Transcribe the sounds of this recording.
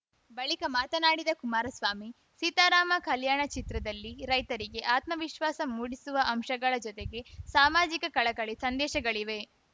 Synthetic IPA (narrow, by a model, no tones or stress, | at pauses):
bɐɭikɐmaːt̪ɐnaːɽid̪ɐkumaːɾɐsʋaːmi | sit̪aːɾaːmɐkɐljaːɳɐt͡ʃit̪ɾɐd̪ɐlːiɾɐjt̪ɐɾiɡe̞ʔaːt̪mɐʋiʃʋaːsɐmːuːɽisuʋɐʔɐmʃɐɡɐɭɐd͡ʒɔt̪eɡe̞saːmaːd͡ʒikɐkɐɭɐkɐɭisɐnd̪ɛːʃɐɡɐɭiʋe̞